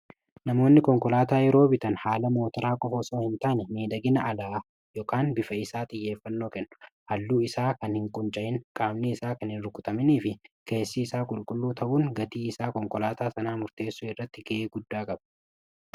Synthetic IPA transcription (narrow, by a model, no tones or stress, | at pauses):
nɐmo̞ːnːɪkɔŋkɔlaːt̪aːjɛɾo̞ːbɪt̪ɐnhaːlɐmo̞ːt̪ɐɾaːkʼɔfɔsoːhɪnt̪aːnɛmeːd̪ɐɡɪnɐːlaː | joːkaːnbɪfɐɪsaːt̪ʼɪjːe̞ːfːɐnːo̞ːkɛnːʊ̥hɐlːuːɪsaːkɐnhɪŋkʼʊnt͡ʃʼɐʔɪŋkʼaːmniɪsaːkɐnhɪnɾʊkʼʊt̪ɐmɪniːfɪkʰeːsːiːsaːkʼʊlkʼʊlːuːt̪ʰɐʔuːŋɡɐt̪iːɪsaːkɔŋkɔlaːt̪aːsɐnaːmʊɾt̪e̞ːsːuːɪrːɐt̪ːɪɡeeːɡʊd̪ːaːkʼɐbɐ̥